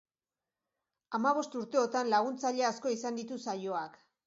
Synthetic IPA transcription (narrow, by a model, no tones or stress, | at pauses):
amaβ̞o̞st̪uɾt̪e̞o̞t̪anlaɣ̞unt͡saʎeasko̞isand̪it̪usajo̞ak